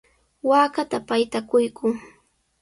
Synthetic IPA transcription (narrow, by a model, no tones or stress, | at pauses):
waːkat̪apajt̪akʊjkʊŋ